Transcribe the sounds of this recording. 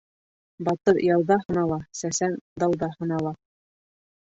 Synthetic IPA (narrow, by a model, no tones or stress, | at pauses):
bɑt̪ɤɾjɑw̪ˠðɑhɤ̆nɑlˠɑsæsænd̪ɑw̪ˠd̪ɑhɤ̆nɑlˠɑ